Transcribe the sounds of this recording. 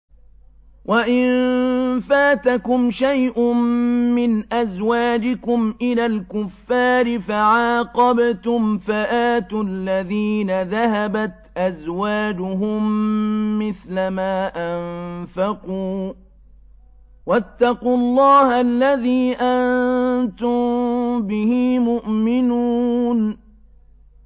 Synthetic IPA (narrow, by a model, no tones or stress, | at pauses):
wʔaʔɪnfaːt̪akʊmʃajʔʊmːɪnʔazwaːd͡ʒɪkʊmʔɪlaːlkʊfːaːɾɪfaʕɑːqɑbt̪ʊmfaʔaːt̪ʊlːaðiːnaðaɦabat̪ʔazwaːd͡ʒʊɦʊmː | ɪθlamaːʔanfɑquː | wat̪ːɑquːlˤːɑːhalːaðiːʔant̪ʊmbɪhɪːmʊʔmɪnuːn